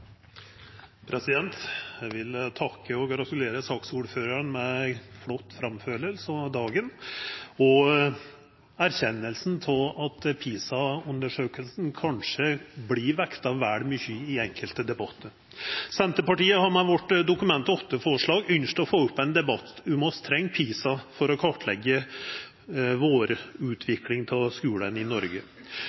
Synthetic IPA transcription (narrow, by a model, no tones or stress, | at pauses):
pʰɾɛsɪd̪ɛnt̪æʋɪlt̪ʰɑkːəɔɡɾɑt̪ʉleːɾəsɑːksuːɾføːɾəɾnmɛflɔt̪ːfɾɑmføːɾəɾsɔd̪ɑːɡən | ɔ | æɾçɛnːəlsn̩t̪ʰɪlɑt̪pʰiːsɑʉnd̪əʂøːkəlsn̩kʰɑnʂəbliʋɛkt̪ɑʋæːɽmʏçəɪɛŋkʰəlt̪əd̪ɛbɑt̪ʰːəɾ | sɛnt̪əpɑʈiːəhɑɾmɛʋɔʈːd̪ʊkʉmɛnt̪ɔt̪ːəfoːʂɭɑːɡʏnʂʈɔfoːʉpːɛnd̪ɛbɑt̪ʉmɔst̪ʰɾɛŋːpʰiːsɑfɔɾɔkʰɔʈlɛɡːə | ʋoːɾʉːt̪ʰʋɪklɪŋt̪ʰɪlskʉːlənɪnɔɾɡə